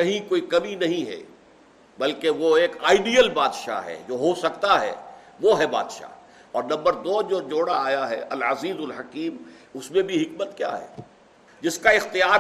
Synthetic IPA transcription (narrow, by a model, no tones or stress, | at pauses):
kɐɦĩkoːikɐminɐɦĩɦɛ̰ | bɐlkeʋoeːka̰ːɪɖijəlbaːd̪ʃa̰ɦɛ̰d͡ʒoːɦosɐkt̪aɦɛ̰ːʋoɦɛba̰ːd̪ʃa̰ | ɔːɾnɐ̃mbəɾd̪oːd͡ʒoːd͡ʒoːɽaaːjaɦɛɐlɐziːzʊlɦɐkiːmʊsmẽbʱiɦɪkmət̪kja̰ːɦɛ̰ː | d͡ʒɪskaɪxt̪ɪjaːɾ